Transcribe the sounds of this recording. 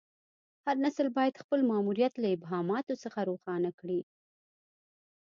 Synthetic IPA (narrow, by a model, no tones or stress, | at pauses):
haɾnasəlbɑjad̪xpəlmɑmuɾijat̪laɪbɦɑmɑt̪osəxaɾoxɑnakɽi